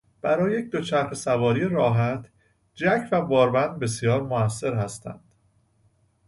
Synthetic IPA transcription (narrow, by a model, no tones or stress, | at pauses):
b̥æɾɒːjejecd̪o̞t͡ʃʰæɾxesævɒːɾijeɾɒːɦæt̪ʰ | d͡ʒæcʰvæbɒːɾbænd̪̚be̞sjɒːɾmoæsːe̞ɾhæst̪æ̰nd̪̥